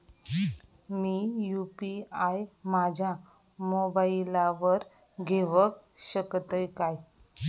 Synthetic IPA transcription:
mijupiajmad͡ʑʱja | mobailaʋəɾ | ɡʱeʋəkɕəkt̪əjkaj

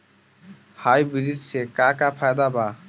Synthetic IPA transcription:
hajbiliʈsekakapʰajd̪aba

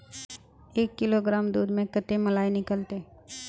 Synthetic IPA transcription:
eːkːɪloɡɾaːmd̪uːd̪mẽkət̪emɐlaːinɪkəlt̪eː

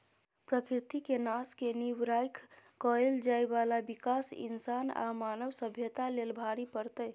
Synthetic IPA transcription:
pɾəkɾit̪ikenaskeniwɾajkʰkəeld͡ʒaebalabikasḭnsana̰manəʋsəbʱjət̪alelbʱaɾipəɾt̪əj

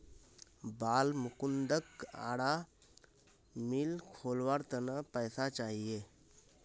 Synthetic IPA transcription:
balmukund̪əka̰ɽa | milkʰolʋaɾt̪ənəpəjsat͡ʃaɦije

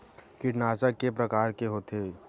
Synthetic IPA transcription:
kɪʈnaːt͡ʃəkːepɾɐkaːɾkeɦoːt̪ʰeː

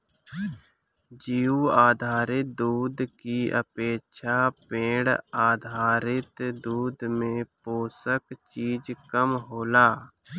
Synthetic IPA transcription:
d͡ʒiːuaːd̪ʱaːɾɪt̪̚d̪uːd̪kiə̰peːkʃʰaːpẽːɽaːd̪ʱaːɾɪt̪d̪uːd̪mẽpoːsəkt͡ʃiːd͡ʒkəmɦoːlaː

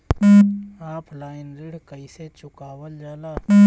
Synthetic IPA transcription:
aːpʰlaːɪnɾɪɽ̤kəiset͡ʃʊkaːwəld͡ʒaːlaː

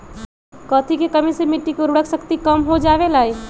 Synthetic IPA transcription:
kɔːt̪ʰikekəmisemiʈːikeɾʊɽəksəkt̪ikəmɦod͡ʒaːʋelaːi

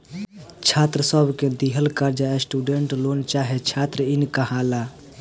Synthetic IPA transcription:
t͡ʃʰat̪ɾəsəbʱkẽd̪iɦəlkaɾd͡ʒaesʈuɖeɳʈlont͡ʃaɦet͡ʃʰat̪ɾəinkəɦala

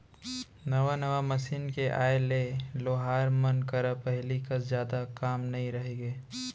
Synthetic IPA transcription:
nɐʋanɐʋamɐsiːnkeʔa̰ːeleloːɦaːɾmɐnkɐɾapɛɦlikɐzjaːd̪akaːmnɐɦĩɾɐɦeɡeː

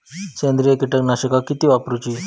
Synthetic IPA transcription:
kend̪ɾijəkiʈəknaɕəkakit̪iːʋapɾut͡ɕiː

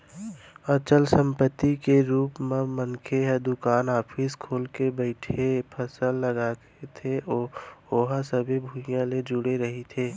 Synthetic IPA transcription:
ət͡ʃəlsə̃mpət̪ːikeɾuːpmẽmənkʰeɦɛd̪ʊkaːnaːpʰiskʰoːlkebəɪʈʰepʰəsəlːəɡaːket̪ʰeʔoːoːɦasəbʱibʱujãled͡ʒʊɽeɾəɦit̪ʰeː

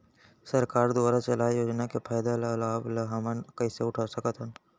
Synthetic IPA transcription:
sɐɾkaːɾd̪ʊaːɾat͡ʃɐlaːjoːd͡ʒnakepʰaːjd̪elalaːbləɦamənkɐiseʊʈʰasəkət̪ən

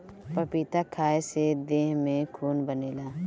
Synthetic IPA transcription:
pəpit̪akʰaːesed̪eːɦmẽkʰuːnbəneːlaː

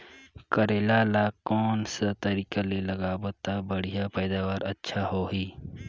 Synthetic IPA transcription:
kəɾeːlaːlakɔːnsat̪ɐɾiːkalelɐɡaːboːt̪abəɽ̤ijapɛːd̪aːʋaːɾɐtːʃʰaɦoːɦiː

